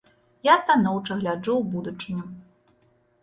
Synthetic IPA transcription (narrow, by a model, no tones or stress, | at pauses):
jast̪anɔwt͡ʂɐɣlʲad͡ʐuwbud̪ut͡ʂɨnʲɛm